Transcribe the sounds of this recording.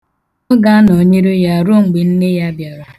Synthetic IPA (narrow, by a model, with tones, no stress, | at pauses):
ʊ˦ɡa˦no˨ɲe˦ɾe˦ja˦˨ɾʊ˦˨ŋ͡m̩˨ɡ͡be˨n̩˦ne˦ja˦bja˨ɾa˨